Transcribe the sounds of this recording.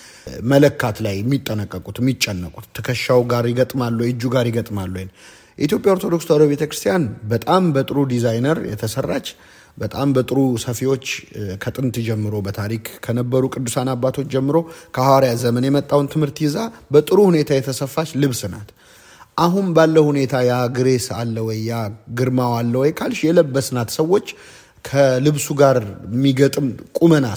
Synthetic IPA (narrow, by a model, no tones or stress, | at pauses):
mələkːat̪lajɛmːit̪ʼːənəkʼːəkʼut̪mːit͡ʃʼːɛnːəkʼu̥t̪ʰːɨkʰəʃːawɡaɾjɪɡət̪ʼmalːujɨd͡ʒːuɡaɾjɪɡət̪ʼmalːun | jɛʔit̪jo̞pʼjaoɾt̪ʰo̞d̪o̞kst̪alobe̞t̪ʰəkɾɨ̥st̪ijanbət̪ʼambət̪ʼɨɾud̪izajnəɾjɛ̰t̪ʰəsərːat͡ʃː | bət̪ʼambət̪ʼɨɾusəfiwo̞t͡ʃːkʰət̪ʼɨnt̪d͡ʒɛmːɨɾo̞bət̪ʰaɾikkʰənəbːəɾukʼɨd̪ːusanabːat̪ʰo̞t͡ʃːd͡ʒɛmːɨɾo̞kʰəhwaɾjazəmənjɛmət̪ʼːawnt̪ʰɨmhɨɾt̪jɪzabət̪ʼɨɾuhune̞t̪ʰajɛt̪ʰəsəfːat͡ʃlɨβsɨnat̪ | ʔaɦunbalːəhune̞t̪ʰajaɡɨɾe̞sa̰lːəwɔjːaɡɨɾmawalːəwɔjkʰalʃjɛləbːəsɨnat̪səwːo̞t͡ʃː | kʰəlɨβsuɡaɾmːiɡət̪ʼɨmkʼuməna